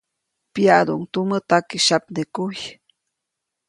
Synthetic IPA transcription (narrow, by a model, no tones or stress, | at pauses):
pjaʔd̪ṵʔŋt̪umət̪akiʃapnekuj